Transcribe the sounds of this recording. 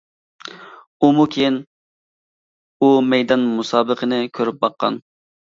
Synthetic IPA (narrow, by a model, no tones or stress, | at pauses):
umukʲʰejin | umɛjd̪ɑnmusɑːbəqənɨkʲʰøɾyp̚bɑqːɑ̰n